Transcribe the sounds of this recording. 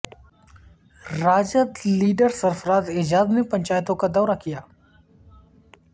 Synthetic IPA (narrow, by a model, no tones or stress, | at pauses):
ɾaːd͡ʒət̪liːɖəɾsəɾfəɾaːd̪ɪd͡ʒaːd̪nepɐ̃ɲʲt͡ʃaːjt̪õkad̪ɔːɾakijaː